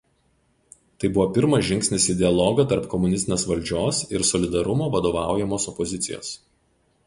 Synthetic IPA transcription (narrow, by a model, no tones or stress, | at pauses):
t̪ɐɪbʊʋoːpʲɪɾmɐʒʲɪŋʲksʲnʲɪsʲiːd̪ʲɛɐlˠɔːɡɐt̪ɐɾpkɔmʊnʲɪsʲt̪ʲnʲeːsʋɐlʲd͡ʒʲoːsɪɾsɔlʲɪd̪ɐɾʊmoːʋɐd̪oːʋɑˑʊjɛmoːsɔpɔzʲɪt̪sʲɪ̰jo̰ːs